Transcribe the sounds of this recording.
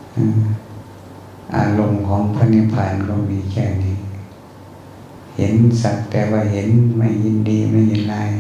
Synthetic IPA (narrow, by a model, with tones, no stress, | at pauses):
ʔɯː˧˩ | ʔa̰ː˧˨lo˧˨mkʰɔː˨˦ŋpʰa˧˨ni˧˨pʰaː˨nkɔː˧˩miː˧˦kʰɛː˧˩niː˧˨ | he˨˦nsa˨˧˩k̚t̪ɛː˧waː˧˩ɦe˨˦nma˥˩jhi˧˨ndiː˧˦ma˥˩˨jhi˧˦nlaː˧˨j